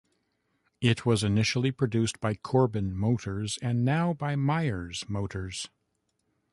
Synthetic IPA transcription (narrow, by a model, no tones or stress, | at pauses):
ɪt̚ʰwʌzɨnɪʃl̩ˠipʰɹ̥ɨdʉsb̥aɪkʰɔɹbɨ̃nmoʊɾə˞zɨ̃nːaʊbaɪmaɪə˞z̥moʊɾə˞z̥